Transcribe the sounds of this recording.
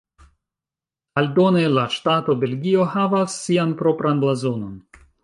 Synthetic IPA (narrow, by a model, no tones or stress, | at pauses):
aldo̞ne̞laʃtato̞be̞lɡio̞havasːianpɾo̞pɾanblazo̞no̞n